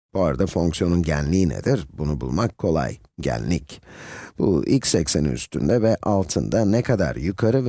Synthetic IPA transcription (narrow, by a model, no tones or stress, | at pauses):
boaɾd̪afo̞ŋksjo̞nunɟænlʲiːnḛd̪iɾbunubṵlˠmakʰːo̞lˠa̰j | ɟæ̰nʲlʲːicb̥ṵilʲcsɛcsenḭy̰st̪ʰynd̪ɛvɛʔalˠt̪ʰɯnd̪anɛkʰad̪a̰ɾjykʰaɾɯv